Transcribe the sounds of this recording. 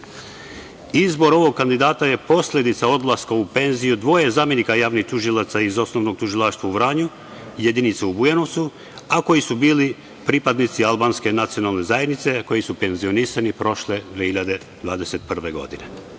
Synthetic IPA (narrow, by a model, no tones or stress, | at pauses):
izbo̞ɾo̞ʋo̞ɡ̚kːand̪id̪aːt̪aje̞po̞slʎʲe̞d̪it̪sao̞d̪lˠaskaupe̞nzijud̪ʋo̞ːjezaːmje̞nikajaːʋnixt̪uʒilˠat̪saizo̞sno̞ʋno̞ɡ̚t̪uʒilˠaːʃt̪ʋauvɾaːɲu | jed̪init̪seubujeno̞ʋt̪su | ako̞jisubiːli | pɾipad̪nit̪sialˠbaːnske̞nat̪sijo̞nalne̞zajed̪nit̪se̞ko̞jisupe̞nzio̞nisanipɾo̞ʃled̪ʋiehiʎad̪e | d̪̥ʋa̰ːd̪e̞set̪̚pr̩ʋe̞ɡo̞̰d̪ine